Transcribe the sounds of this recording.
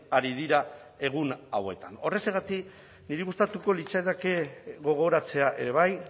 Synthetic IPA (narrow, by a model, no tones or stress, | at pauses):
aɾiðiɾa | e̞ɣ̞unawe̞t̪ano̞re̞seɣat̪ik | niɾiɣust̪at̪uko̞lit͡saeðake̞ɣo̞ɣ̞o̞ɾat͡se̞aʔe̞̰ɾe̞β̞aj